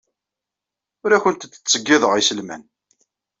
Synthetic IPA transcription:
ʊɾæçənt̪ət͡sːt͡sːəɡːɪðəʁisəlmæ̰n

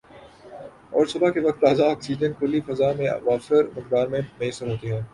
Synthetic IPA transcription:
ɔːɾsʊbʱakeʋɐk̚t̪ːaːzaɔːksiːd͡ʒə̃nkʊlifɐzaːmḛ̃ʋaːfsəɾmɪk̚d̪aːɾmẽmeːsəɾɦoːt̪eɦɛ̃ː

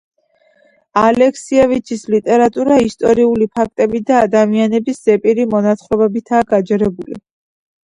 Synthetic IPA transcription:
alɛkʰsiɛvit͡ʃʰislit̪ʼɛɾat̪ʼuɾaist̪ʼɔɾiulipʰak̚ʰt̪ʼɛbid̪aːd̪amianɛbisz̥ɛpʼiɾimɔnat̪sχɾɔbɛbit̪ʰaːɡad͡ʒɛɾɛbulḭ

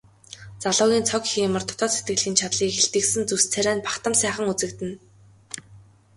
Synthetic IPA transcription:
t͡saɮʊːɣʲiːnt͡sʰɔkxiːmə̆rt̪ʰɔ̥t̪ɔːset̪̚ɡɘ̆ɮɣiːnt͡ɕʰat̪ɮiːkxeɬt̪ɘ̆ksɘ̆nt͡sust͡sʰæɾæːnpḁkt̪ə̆msæːχə̆ŋut͡sɘ̆kt̪ɘ̆n

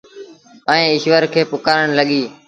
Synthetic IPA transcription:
əẽːɪʃʋəɾkʰeːpʊkaːɾəɳləɠiː

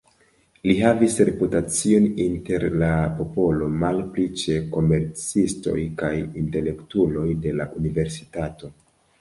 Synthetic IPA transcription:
liɦavisɾe̞putat͡sio̞ninte̞ɾlapo̞po̞lo̞malplit͡ʃe̞ko̞me̞ɾt͡sisto̞̰jkajinte̞le̞ktulo̞jde̞la̰ʔunive̞ɾsi̥tato̞

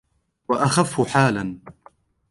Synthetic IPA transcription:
waʔaxafːʊħaːlan

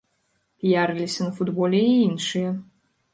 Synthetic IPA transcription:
pʲijaɾɨlʲisʲɐnɐfud̪bɔlʲɛiinʂɨjɛ

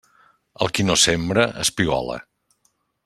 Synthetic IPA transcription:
əlˠkinosembɾəəspiɣɔ̰lə̰

